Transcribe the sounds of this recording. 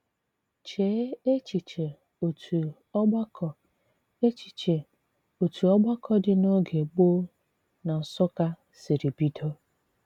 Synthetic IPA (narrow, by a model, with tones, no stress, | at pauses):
t͡ʃe˨˦e˦t͡ʃi˨t͡ʃe˨ | o˨tʰu˨ | ɔ˦ɡ͡ba˦kɔ˨ | e˦t͡ʃi̥˨t͡ʃe˨ | o˨tu˨ɔ˦ɡ͡ba˦kʰɔ˦dɪ˨no˦ɡe˨k͡po˦ | na˨n̩˨sʊ˦ka˦ | si˨ɾi˨bi˦do˦